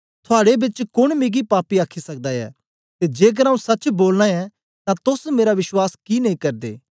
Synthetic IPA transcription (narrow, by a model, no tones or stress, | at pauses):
t̪ʰʊaːɽebɪt͡ʃkʊɽ̃miɡipaːpiaːkʰisɐk̚d̪aɛ̰ː | t̪ed͡ʒeːk̬əɾaːũsɐt͡ʃboːlnãɛ | t̪ãt̪ʊsmeːɾaʋɪʃwaːskinɐĩkɐɾd̪ḛː